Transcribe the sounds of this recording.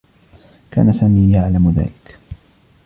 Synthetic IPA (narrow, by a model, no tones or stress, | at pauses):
kʰa̰ːnasaːmiːjaʕlamða̰ːlɪk